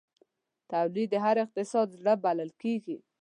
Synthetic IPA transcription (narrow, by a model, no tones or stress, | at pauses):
t̪awlid̪ːəɦaɾɪq̚t̪ɪsɑd̪zɽabalalkeɡi